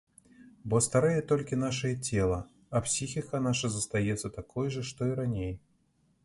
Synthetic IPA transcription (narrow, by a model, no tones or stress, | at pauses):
bɔst̪aɾɛjɛt̪ɔlʲkʲinaʂɐjɛt͡sʲɛlˠɐ | ɐpsʲixʲikɐnaʂɐzɐst̪ajɛt̪sːɐt̪akʰɔjʐɨʂt̪ɔiɾanʲej